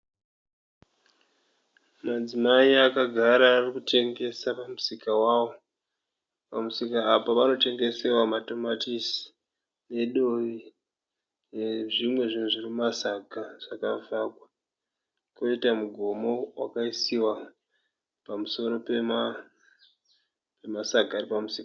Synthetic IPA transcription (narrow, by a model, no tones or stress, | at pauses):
mad͡zimaiakaɡʱaɾaːrikute̞ŋɡe̞sapamusikawaːwo̞ | pamusikaːpaʋano̞te̞ŋɡe̞se̞wamato̞matisi̥ | ne̞ɗo̞ʋi | eʐimwe̞ʐinuʐirimasaɡʱaʐ̥akavakwa | ko̞itamuɡʱo̞mo̞wa̰kaisiwa | pamuso̞ɾo̞pema | pe̞masaɡaːripamusiːka